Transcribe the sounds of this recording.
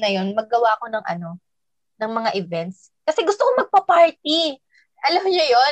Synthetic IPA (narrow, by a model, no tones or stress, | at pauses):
nɐjo̞nmɐɡːɐwaʔko̞nɐŋʔɐ̰no̞ | nɐŋmɐŋaʔɪvɛnt̪̚s | kɐsɛɡʊst̪okomɐɡ̚pɐpaɹt̪i | ʔɐlɐɦoɲɐjo